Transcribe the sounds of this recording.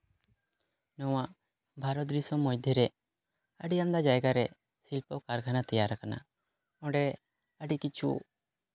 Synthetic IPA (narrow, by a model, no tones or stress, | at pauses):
nɔwaʔ | bʱaɾɔt̪ɾisɔmɔjd̪ʱjɛɾɛ | əɖijamd̪ad͡ʒajɡaɾɛ | silpɔkaɾkʰanat̪ɛjaɾakana̰ | ɔ̃ɖɛ | əɖikit͡ʃʰṵ